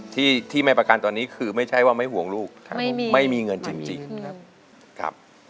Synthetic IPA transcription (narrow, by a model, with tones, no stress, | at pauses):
t̪ʰiː˥˩t̪ʰiː˥˩ma˥˩pɾa˧ka˧nt̪ɔː˧nːiː˦˥kʰɯː˧ma˥˩jt͡ɕʰa˦˥˩jwaː˥˩ma˥˩jhu˩˦əŋluː˥˩k̚ʰma˥˩jmiː˧ŋɤ˧nt͡ɕi˧ŋt͡ɕi˧ŋ̚˦ | kʰa̰˦˥p̚